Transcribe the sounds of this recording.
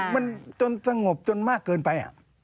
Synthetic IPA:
ma˧˥nt͡ɕo˧nsa˧ŋo˨˩p̚t͡ɕo˧nmaː˥˩kːɤː˧npa˧jʔa̰˨˩

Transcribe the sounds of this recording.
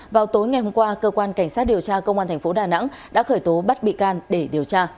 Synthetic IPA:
vaː˨˩wt̪o˨˦jŋa˨˩jɦo˧mkwaː˧kəː˧kwaː˧nka˧˩jŋ̟saː˦˥t̚ɗi˨˩əwt͡ɕaː˧kə˧wŋ͡mʔaː˧nt̪ʰɛ˨˩ŋ̟fo˨˦ɗaː˨˩na̰˧˥ŋɗa̰ː˧˥xəː˧˩jt̪o˨˦ɓə˦˥t̚ɓḭ˧˨kaː˧nɗe˧˩ɗi˨˩əwt͡ɕaː˧

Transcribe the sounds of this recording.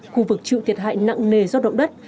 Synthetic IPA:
xu˧vɨ˨˩k̚t͡ɕḭ˧˨t̪ʰi˨˩ət̚ɦa̰ː˧˨jna̰˧˨ŋne˨˩zɔ˧ɗə̰˧˨wŋ͡mɗə˦˥t̚

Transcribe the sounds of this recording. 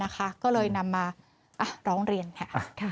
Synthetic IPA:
a˦˥kʰa˦˥kɔː˥˩lɤː˧jna˧mːaː˧ | ʔa˨˩ɾɔː˦˥ŋɾi˧ənkʰa˥˩kʰ

